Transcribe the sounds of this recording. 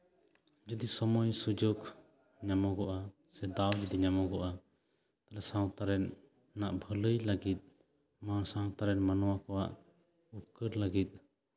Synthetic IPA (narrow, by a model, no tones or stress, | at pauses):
d͡ʒud̪isɔmɔjsud͡ʒɔk | ɲamɔɡɔʔa | sɛd̪awd͡ʒud̪iɲamɔɡɔʔa | t̪alɛsãw̃t̪aɾɛnː | aʔbʱələjlaɡit̪̚ˀ | masãw̃t̪aɾɛnmanɔwakɔwaʔ | up̚kəɾlaɡit̪̚